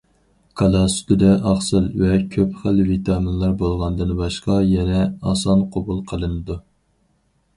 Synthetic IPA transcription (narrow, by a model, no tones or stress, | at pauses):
kʰɑlˠɑst̪ʊd̪ɛʔɑχsɨlvɛkʲʰøpχəlvit̪ʰɑminlˠɑɾbolˠʁɑnd̪ɨnbɑʃqɑjɛnɛɑsɑnqʰobulˠqʰəlˠɨnɨd̪u